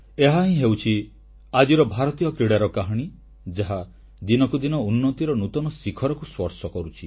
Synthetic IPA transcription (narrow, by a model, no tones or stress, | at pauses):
eɦaɦĩɦewt͡ʃʰi | ad͡ʒiɾɔbʱaɾɔt̪ijɔkiɽaɾɔkaɦɔɽ̃i | d͡ʒaɦa | d̪inɔkud̪inɔunːɔt̪iɾɔnut̪ɔnɔsikʰɔɾɔkuswɔɾsɔkɔɾut͡ʃʰi